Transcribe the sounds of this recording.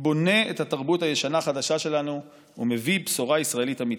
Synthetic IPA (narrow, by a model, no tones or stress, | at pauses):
bo̞ne̞ethataʁbuthaje̞ʃanaːχadaʃaʃe̞lanṵː | me̞vibsoʁaisʁae̞litami